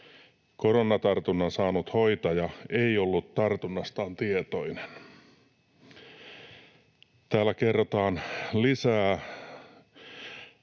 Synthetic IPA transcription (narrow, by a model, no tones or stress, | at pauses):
koronːɑt̪ɑrt̪unːɑnsɑːnut̪hoit̪ɑjɑeiolːut̪t̪ɑrt̪unːɑst̪ɑːnt̪iet̪oinen | t̪æːlːækerːot̪ɑːnlisæː